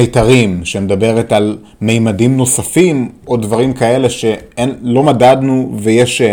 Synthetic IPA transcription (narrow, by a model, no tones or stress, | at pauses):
ejtaʁimʃemed̪abe̞ʁetal | me̞jmadimno̞safimo̞dvaʁimkae̞le̞ʃe̞elo̞madadnuvejeʃ